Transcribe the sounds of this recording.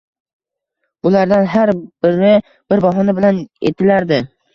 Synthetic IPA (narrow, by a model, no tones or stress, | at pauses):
b̥ʊlaɾd̪anɦaɾbɪɾɪ | b̥ɪɾbɒɦɒnɪbɪlanḛt̪ʰɪlaɾd̪ɪ